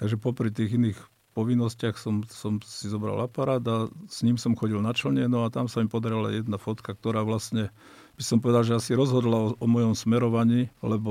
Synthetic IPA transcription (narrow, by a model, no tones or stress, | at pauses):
t̪aɡʒɛpɔpɾit̪iːɣiniːx | pɔʋinːɔscɪaxsɔmsɔmsizɔbɾa̰lapaɾaːd̪asɲiːmsɔmxɔɟilnat͡ʃl̩ɲɛnɔat̪amsamipɔd̪aɾila̰jɛd̪nafɔt̪kak̚t̪ɔɾaːʋlasɲɛ | b̥isɔmpɔʋɛd̪alʒɛasiɾɔzɦɔd̪laɔɔmɔjɔmsmɛɾɔʋaɲiːlɛbɔ